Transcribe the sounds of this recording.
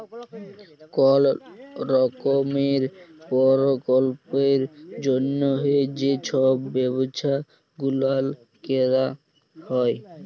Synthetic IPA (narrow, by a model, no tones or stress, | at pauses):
kɔlɾɔkomeɾpɔɾokolpeɾd͡ʑonːoɦeed͡ʑet͡ɕʰɔbːɛbot͡ɕʰa | ɡulal | keɾa | hɔe